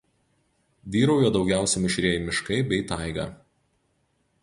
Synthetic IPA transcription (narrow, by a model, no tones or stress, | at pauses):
ʋʲiːɾɐʊjoːd̪ɒʊɡʲæˑʊsʲɛmʲɪʃʲɾʲiɛjɪmʲɪʃkɐɪbʲɛɪt̪ɑɪɡɐ̰ː